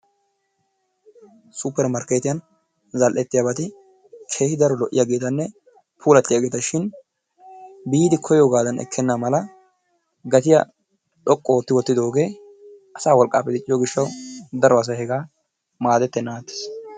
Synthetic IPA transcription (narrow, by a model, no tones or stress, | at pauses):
supːɛɾmɐɾkeːt̪ɪjɐn | zɐlʔɛt̪ːɪjabɐt̪ɪ | kʰe̞ːhɪd̪ɐɾɔlɔʔːɪjaɡeːt̪ɐnːɛ | pʰuːlɐt̪ːɪjɐɡeːt̪ɐʃɪn | biːd̪ɪkʰɔjoːɡaːd̪ɐnɛ̰kʰːɛnːamɐlɐ | ɡɐt̪ɪjɐ̰ | ᶑɔkʼːɔwot̪ːɪwɔt̪ːɪd̪o̞ːɡe̞ː | ʔɐsaːwɔlkʼːa̰ːpːɛd̪ɪt͡ʃʼːɪjoɡɪʃːɐwd̪ɐɾɔɐs̬ɐhɛɡaː | maːd̪ɛt̪ːɛnːaːt̪ːɪ̥s